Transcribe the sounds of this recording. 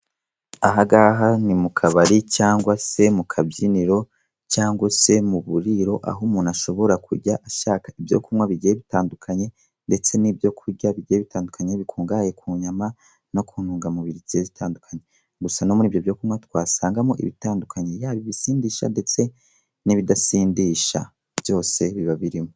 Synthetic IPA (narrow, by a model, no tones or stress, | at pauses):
aɦaɡaɦanimukʰaβaɾicaːŋɡwase̞mukʰabjiniɾo | caːŋɡwase̞muβuɾiɾo̞ʔa̰ɦumunaʃo̞βo̞ɾakʰṵɾɟaʔaʃaːkaivjo̰kumŋwaβiɟijeβitaːndukʰaɲe̞ | nde̞t͡se̞nibjo̞kʰuɾɟaβiɟijeβitaːndukʰaɲeβikʰuːŋɡaːje̞kʰuːɲama | no̞kʰuːnuːŋɡamuβiɾiziezitʰaːndukʰaɲe̞ | ɡusanomuniːvjovjokumŋatwaːsaːŋɡamoʔḭβitaːndukʰaɲe̞jaːβiβisiːndiːʃa̰nde̞t͡se̞ | niβidasiːndiːʃa̰ | bjo̞ːse̞βiβaβiɾimo